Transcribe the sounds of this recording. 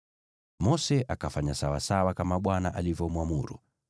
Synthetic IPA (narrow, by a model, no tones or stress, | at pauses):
mɔsɛʔakafaɲasawa̰sawakamaɓwanaʔalivjɔmwamuɾṵ